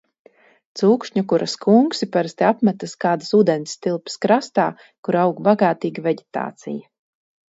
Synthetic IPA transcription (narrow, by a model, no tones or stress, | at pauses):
t̪suːkʃɲukuɾʔaskuŋksipaɾst̪iapmɛt̪askaːd̪asuːd̪ɛnsʲt̪ilˠpi̥skɾast̪aː | kuɾawɡbaɡaːt̪iːɡaveɟet̪a̰ːt̪sḭjɐ